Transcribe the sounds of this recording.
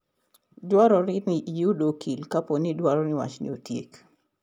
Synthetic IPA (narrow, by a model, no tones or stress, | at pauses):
dwaɾɔɾɪtnijudokʰilkaponidwaɾɔnɪwa̰t͡ʃnḭotjḛk